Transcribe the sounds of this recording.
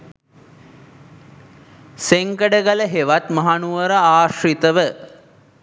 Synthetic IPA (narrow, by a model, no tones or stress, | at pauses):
seŋkəɖəɡələɦeʋat̪mɐɦanuʋəɾəaːʂrit̪əʋə